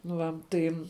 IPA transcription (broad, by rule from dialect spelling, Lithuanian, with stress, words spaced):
nʊ ˈʋɐ ˈtɐɪ